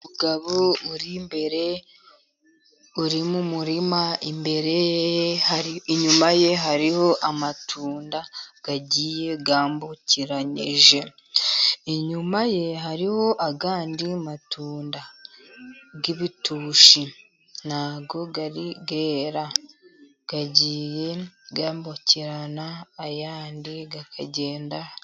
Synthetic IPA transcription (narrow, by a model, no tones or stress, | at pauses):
uɡaβouɾimbe̞ɾe̞ | uɾimumuɾimaimbe̞ɾe̞jehaiiɲumaje̞ɦaɾiho̞ʔamatʰuːndaɡ̥aɟije̞ɡaːmbuciɾaɲḭʒe̞ | iɲumaje̞ɦaɾiho̞ʔaɡaːndimatʰuːnda | ɡiβituʃi | naɡo̞ɡaɾiɡeːɾa | ɡ̥aɟiːje̞ɡaːmbociɾanaːjaːndiɡakʰaɟe̞ːnda